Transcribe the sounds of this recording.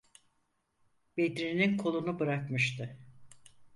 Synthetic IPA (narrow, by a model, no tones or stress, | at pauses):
b̥ed̪ɾininkʰo̞lˠunubɯɾakmɯʃt̪ʰɯ